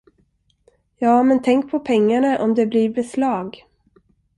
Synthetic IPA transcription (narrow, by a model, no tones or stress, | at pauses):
jɑːmɛnt̪ʰɛŋk̚pʰɔpʰɛŋːaɳaʔɔmd̪ɛbliɾbɛslɑːɡ